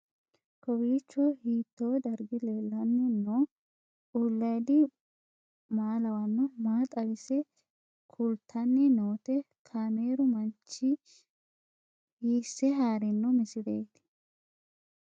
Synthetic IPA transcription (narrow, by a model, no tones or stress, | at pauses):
kʰɔwiːt͡ʃːɔhiːt̪ːoːd̪ɐɾɡɪleːlːɐnːɛnoː | ulːɐjd̪ɪ | maːlɐwɐnːɔmaːt̪ʼɐwɪsɛ | kʰʊlt̪ʰːɐnːɛnoːt̪ɛ | kʰaːmeːɾʊmɐnt͡ʃːɪ | hiːsːɛɦaːɾɪnːɔmɪsɪdeːt̪ɪ̥